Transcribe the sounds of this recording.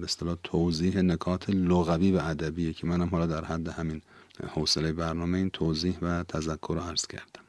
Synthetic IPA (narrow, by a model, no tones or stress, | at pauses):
best̪elɒːt̪ʰowziːɦenekʰɒːt̪ʰeloɣæviːvæːd̪æbiːjecʰemænhæmɦɒːlɒːd̪æɾhæd̪ːehæmin | hoselejebæɾnɒːmeiːnt̪ʰowziːhvæt̪ʰæzækʰːoɾoæɾz̥cʰæ̰ɾd̪æ̥m